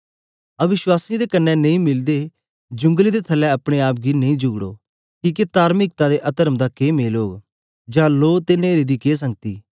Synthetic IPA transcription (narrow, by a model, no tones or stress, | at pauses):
ɐʋɪʃwaːsĩd̪ekənːɛnɐ̃ĩːmɪld̪eː | d͡ʒʊ̃ŋɡlid̪et̪ʰɐlːɛɐpɽ̃eaːp̬̚ɡineĩːd͡ʒʊɡɽo̰ː | kiːk̬et̪aːɾmɪk̚t̪ad̪eʔɐt̪əɾəmd̪akeːmeːloːɡ | d͡ʒãːloːt̪eneːɾid̪ikeːs̬ə̃ŋɡ̚t̪ḭː